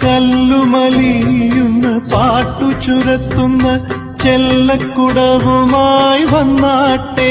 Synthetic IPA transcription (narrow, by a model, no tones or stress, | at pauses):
kɐlːumɐlijunːɐpaːʈːut͡ʃuɾɐt̪ːunːɐ | t͡ʃɛlːɐkːuɽɐʋumaːjiʋɐnːaːʈːe